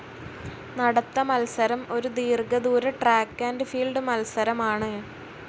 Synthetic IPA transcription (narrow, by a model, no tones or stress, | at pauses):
nɐɽɐt̪ːɐmɐlsɐɾɐmo̞ɾud̪iːrɡɐðuːɾɐʈraːkːaːndefiːlɖɨmɐlsɐɾɐmaːɳɨ